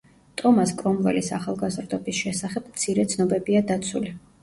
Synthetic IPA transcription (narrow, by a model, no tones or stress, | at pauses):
t̪ʼɔmaskʼɾɔmvɛ̰lisaχalˠɡazɾd̪ɔbisʃɛsaχɛb̥̚mt̪sʰiɾɛt̪sʰnɔbɛbiad̪at̪sʰuli